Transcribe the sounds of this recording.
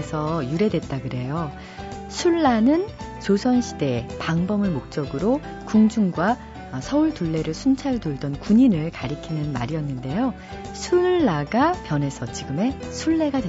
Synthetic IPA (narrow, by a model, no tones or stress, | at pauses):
sʰʌjuɾe̞dwe̞t̚t͈aɡɯɾe̞jo | sʰuɭːanɯn | t͡ɕosʰʌnɕʰide̞paŋbʌmɯɭmok̚t͡ɕ͈ʌɡɯɾo | kuŋd͡ʑuŋɡwa | sʰʌuɭtuɭːe̞ɾɯɭsʰunt͡ɕʰaɭdoɭdʌnkuɲinɯɭkaɾikʰinɯnma̰ɾijʌnːɯnde̞jo | sʰuɭːaɡapjʌne̞sʰʌt͡ɕiɡɯme̞sʰuɭːe̞ɡade